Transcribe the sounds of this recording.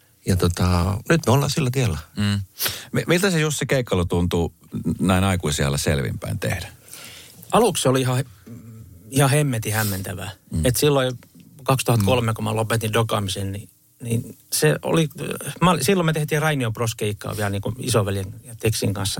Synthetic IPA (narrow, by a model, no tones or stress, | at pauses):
jɑt̪ot̪ɑnyt̪meolːɑ̰ːsilːæt̪iælːæː | mimilt̪æsejust̪sekeikːɑlːot̪unt̪u | næinɑikuisiɑ̰lːæsḛlʋḭmpæ̰int̪ḛhdæ̥ | ɑluˑksseoliihɑ | ihɑhemːet̪ihæmːent̪æʋæ̰et̪silːoikɑkst̪uhɑt̪kolmekomɑlopet̪indokɑːmisenni | ninseo̰limɑlsilːomet̪eht̪iːrɑinioproskeikːɑ̰ːʋiælniːŋkuḭsoʋæljeŋjɑt̪eksiŋkɑnsːɑ